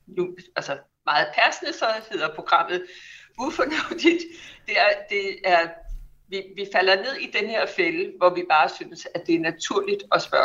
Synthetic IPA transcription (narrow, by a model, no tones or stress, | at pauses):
nuælsə | mɑ̈ːð̩ˠpʰæɐsənəsɒ̽he̝ð̰ˠɐpʰʁo̝ɡ̥ʁɑ̈m̰ð̞̩ˠufɒnɔfd̥id̥d̥e̝æɐd̥e̝æɐ | ʋiʋifæl̰ɐne̝ð̞̰ˠid̥enəhe̝ɐ̰feləʋɒʋib̥ɑ̈ːsyːnəsæd̥e̝æɐnæt͡sʰuɐ̰lid̥ɒ̽sb̥ɶɐ